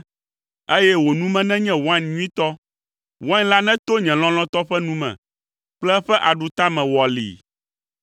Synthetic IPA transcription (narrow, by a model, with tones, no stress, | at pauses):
e˦jɛ˦wo˨nũ˦mɛ̃˦nɛ̃˦ɲɛ̃˦wo˨˦a˦nɲũ˦ĩ˦t̪ɔ˦ | wa˦nla˦nɛ̃˦t̪o˦ɲɛ̃˨l̃ɔ̃˦l̃ɔ̃˦t̪ɔ˦ɸɛ˦nũ˦mɛ̰̃˨ | k͡plɛ˦ɸɛ˦ʔa˨ɖu˨t̪a˦mɛ̃˨wɔ˨lḭ˨